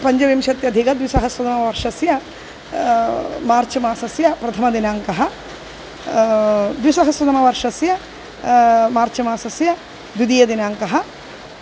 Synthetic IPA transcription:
pɐɲd͡ʒɐʋimʃɐt̪jɐd̪ʱikɐd̪ʋisɐɦɐsʋɐd̪ɐmɐʋɐɾʂɐsjɐ | maːɾt͡ʃɐmaːsɐsjɐpɾɐt̪ʰɐmɐd̪inaːŋkɐɦɐ̆ | d̪ʋisɐɦɐsʋɐd̪ɐmɐʋɐɾʂɐsjɐ | maːɾt͡ʃɐmaːsɐsjɐ | d̪ud̪ijɐd̪inaːŋkɐɦɐ̆

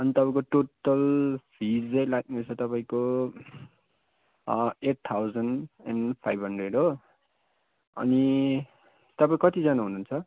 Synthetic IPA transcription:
ʌnit̪ʌpaĩkoʈoʈʌlpʰid͡zʌjlaɡ̚nut͡sʰʌt̪ʌpaĩko | eʈ̚t̪ʰawd͡zʌna̰npʰajbʱɦʌnɖreɖo | ʌ̰ni | t̪ʌpaĩkʌt̪id͡zʌnaɦununt͡sʰʌ

